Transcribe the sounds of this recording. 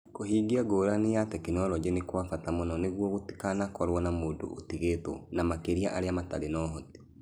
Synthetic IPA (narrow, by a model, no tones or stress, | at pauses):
koɦiɡiaɡoːɾanejatɛkinɔlɔd͡ʒenekwafatamɔnɔneɣwɔɣoti̥kanakɔɾwɔnamoːdo̰otiɣetɔ̰namakeɾiaʔaɾeamata̰ɾenɔɦɔte̥